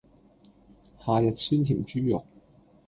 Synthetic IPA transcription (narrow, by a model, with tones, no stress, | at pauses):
haː˨jɐ˨t̚syː˥nt̪ʰḭː˨˩mt͡ʃyː˥jʊ˨k̚